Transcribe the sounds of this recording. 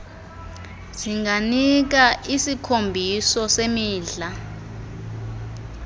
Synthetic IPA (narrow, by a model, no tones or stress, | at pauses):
ziŋanik̬aisikʰombʱisɔsemiːɮa